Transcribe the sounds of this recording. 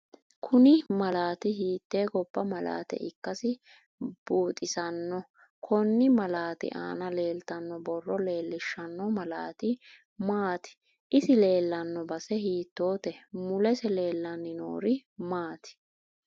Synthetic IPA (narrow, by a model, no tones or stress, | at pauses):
kʰʊnɪmɐlaːt̪ɪɦiːt̪ːe̞ːɡɔb̥ːɐmɐla̰ːt̪ɛ̰ʔɪkːɐsɪ | b̥uːt̪ʼɪsɐnːɔ | kʰɔnːɪmɐlaːt̪ɪ̰ʔa̰ːnɐle̞ːlt̪ɐnːɔbɔrːɔle̞ːlːɪʃːɐnːɔmɐla̰ːt̪ɪ | maːt̪ɪ̥ | ʔɪsɪle̞ːlːɐnːɔbɐsɛhiːt̪ːo̞ːt̪ɛmʊlɛsɛle̞ːlːɐnːɪno̰ːɾɪmaːt̪ɪ̥